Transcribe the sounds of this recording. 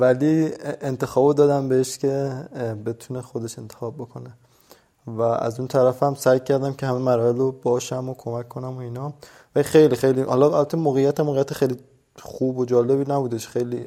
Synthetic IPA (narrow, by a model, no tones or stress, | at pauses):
vælient̪ʰe̞xɒːbod̪ɒːd̪æmbeeʃcʲʰe̞be̞t̪ʰunexod̪e̞ʃe̞nt̪ʰexɒːb̚bːokʰo̞ne | vææ̰zunt̪ʰæɾæfæmsæjcʰæɾd̪æmcʰehæmemæɾɒːelobɒːʃæmokʰomækʰːo̞næmoiːnɒː | vælixejliːxejlihɒlɒælbæt̪ʰːemoːɣejːæt̪ʰæmːoːɣeijæt̪ʰexejli | χuːbod͡ʒɒːle̞βiːnæbuːd̪e̞ʃxejli